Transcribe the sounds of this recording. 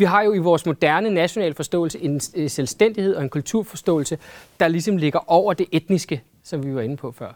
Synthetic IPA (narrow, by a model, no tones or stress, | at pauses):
ʋiɦɑ̈jo̝iʋɒːsmo̝d̥æɐnənæɕo̝nɛ̰ːlfɒ̽sd̥ɔ̰̽ːl̩səʔe̝nselsd̥en̰d̥ihe̝ðˠɒ̽e̝nkʰult͡sʰuɐ̰fɒ̽sd̥ɔ̰̽ːl̩səd̥ɑ̈lisɒ̽mle̝ɡ̥ɐʔɒʊ̰ɐd̥e̝ʔed̥nisɡ̥ə | sɒ̽mʋiʋɑ̈e̝nəpʰɒ̽fɶɐ̰